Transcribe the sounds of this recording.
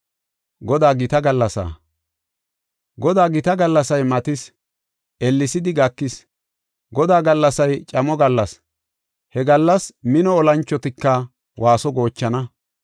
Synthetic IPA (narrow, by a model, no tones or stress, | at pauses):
ɡɔd̪aːɡɪt̪ɐɡɐlːɐsa̰ː | ɡɔd̪aːɡɪt̪ɐɡɐlːɐsɐjmɐt̪ɪs | ʔɛlːɪsɪd̪ɪɡɐkːɪs | ɡɔd̪aːɡɐlːɐsɐjt͡ʃʼɐmɔɡɐlːɐs | hɛɡɐlːɐsmɪnɔɔlɐnt͡ʃːɔt̪ɪkːɐ | wʔaːsɔɡo̞ːt͡ʃːɐnɐ